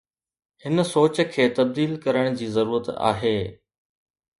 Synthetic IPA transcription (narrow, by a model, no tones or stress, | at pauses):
hɪnsoːt͡ɕkʰeːt̪ɐb̚d̪iːlkɐɾəɽ̃d͡ʑiːzɐɾuːɾət̪a̰ːɦeː